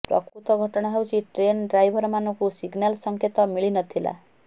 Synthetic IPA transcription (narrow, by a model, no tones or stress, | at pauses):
prʌ̰kɾut̪ʌɡʱʌʈʌɽ̃aɦʌwt͡siʈrenɖrajbʱʌrmanukosiɡnalsʌŋkʰet̪ʌmilinʌt̪ʰila̰